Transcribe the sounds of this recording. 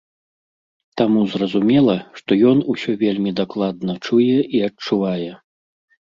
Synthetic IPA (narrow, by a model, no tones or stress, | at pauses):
t̪amuzrɐzumʲɛlˠɐʂt̪ɔjɔnusʲɔvʲelʲmʲid̪aklˠad̪nɐt͡ʂujɛʔiɐt͡ʂuvajɛ